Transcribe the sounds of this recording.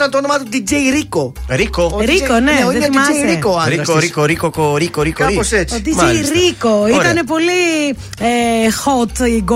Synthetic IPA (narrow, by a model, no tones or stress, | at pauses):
ɐnt̪onomat̪od̪id͡ʒejɾiko | ɾikoɾikoneiðeimɐsɾikoaɾioɾikoɾikokoɾikoɾikooset͡ʃod̪imejɾikoit̪ɐnep̬oli | exot̪iɡ